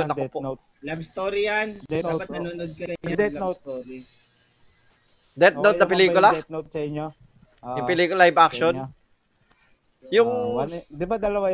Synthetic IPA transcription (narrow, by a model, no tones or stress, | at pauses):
onːɐkpo | labst̪oːɾijand̪apɐt̪nɐnuːnod̪̚kɐɐɲd̪st̪oɾi | d̪ɛt̪̚nowt̪nɐpɪliːkʊlat̪̚not̪̚sɐɪɲːo | ɪpɪliːkʊlaɪbakʃon | jʊŋnd̪ɪbad̪ɐlɐwaj